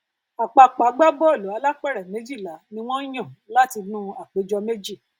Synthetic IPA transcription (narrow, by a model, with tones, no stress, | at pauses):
a˨k͡pa˧k͡pa˨˦ɡ͡ba˦bɔ˦e˨lo˨˦a˧la˦k͡pɛ˦˨ɾɛ˨mẽ˨˦d͡ʒi˦˨la˨˦nĩ˧w̃ɔ̃˦j̃ɔ̃˦˨la˦ti˧nũ˦a˨k͡pe˨˦d͡ʒɔ˧me˦d͡ʒi˦˨